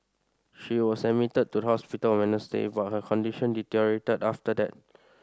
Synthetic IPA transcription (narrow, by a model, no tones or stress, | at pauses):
ʃiwɔsəmitəd̚tudəhɔspitəlmɛ̃nəstḛbat̚həkʰɔ̃ndiʃə̃nditiɹietədaftədɛ̰t̚